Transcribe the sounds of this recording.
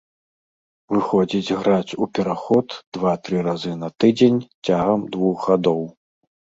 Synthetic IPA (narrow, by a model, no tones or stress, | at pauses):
vɨxɔd͡zʲid͡zʲɣɾat͡sʲupʲɛɾaxɔt̪d̪̥vat̪ɾɨɾazɨnɐt̪ɨd͡zʲenʲt͡sʲaɣɐmd̪vuxɣad̪ɔw